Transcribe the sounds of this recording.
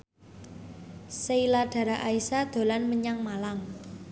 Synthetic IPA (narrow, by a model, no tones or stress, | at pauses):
səilaɖ̥a̤ɾaʔaisad̪̥o̤lanməɲaŋmalaŋ